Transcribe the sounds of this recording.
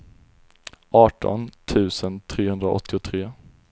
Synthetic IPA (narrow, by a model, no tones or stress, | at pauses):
ʔɑːʈɔ̰nt̪ʰʉ̟ːsənt̪ʰɾeːhɵnd̪ɾaɔ̰t̪ʰːɪʊt̪ʰɾeː